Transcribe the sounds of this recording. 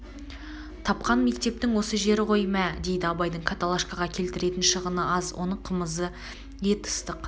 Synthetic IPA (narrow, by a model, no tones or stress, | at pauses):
t̪ʰɑp̚qɑnme̞k̚t̪e̞p̚t̪ɪŋwo̞səʒe̞ɾɪqʰo̞jmæd̪e̞jd̪ɪɑbɑjd̪əɴkʰat̪alˠaʃkaʁɑkʲʰe̞lt̪ɪɾe̞t̪ɪnʃəʁənəɑzwʔo̞̰nəɴqʰəməzə | je̞t̪ə̥st̪əq